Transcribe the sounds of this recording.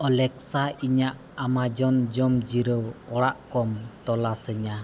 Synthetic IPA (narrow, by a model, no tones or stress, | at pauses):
ɔlɛksaiɲaʔ | amad͡ʒɔnd͡ʒɔmd͡ʒiɾəwɔɽaʔkɔmt̪ɔlasəɲa